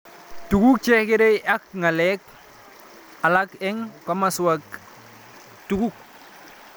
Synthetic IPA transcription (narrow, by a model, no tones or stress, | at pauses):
tuɡuk̚t͡ʃekiɾeak̚ŋalek̚ | alakɛŋpamasuwak | tuɡuk̚